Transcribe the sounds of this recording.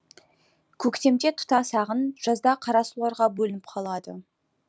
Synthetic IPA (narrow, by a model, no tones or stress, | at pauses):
kʲʰɵkt̪e̞md̪e̞t̪ʰʊ̥t̪ɑsɑʁənʒ̥ɑzd̪ɑqʰɑɾɑsulˠɑɾʁɑbɵlɪnɪp̚qʰɑlˠɑd̪ə̰